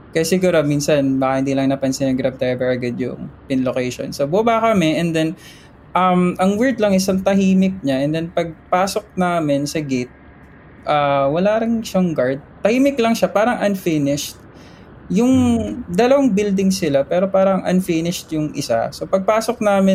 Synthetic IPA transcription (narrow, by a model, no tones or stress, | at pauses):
kɐjasɪɡuːɾomiːnsɐnbaːkɐhɪnd̪iːlɐŋnɐpɐnsɪnɐɡɾab̚t̪ɛbɛɹɐɡɐd̪jʊ̰ŋpɪnlokɛjʃo̰nsobʊbakɐmɛʔɛnd̪ɛn | ʔɐmʔɐŋwɛɹd̪lɐŋʔɪsɐŋt̪ɐɦiːmɪk̚ɲaʔɛnd̪ɛnpɐɡ̚paːso̞k̚naːmɪnsɐɡet̪̚ | ʔaːwɐlaːɾɪŋʃaŋɡaɹd̪̚t̪ɐhiːmɪklɐŋʃapaːɾɐŋʔɐnfinɪʃt̪̚ | jʊŋd̪ɐlɐwaŋbɪld̪ɪŋsɪlapɛːɾo̞paːɾɐŋʔɐ̰nfinɪʃt̪̚jʊŋʔɪsa̰sopɐɡ̚paːsok̚naːmɪ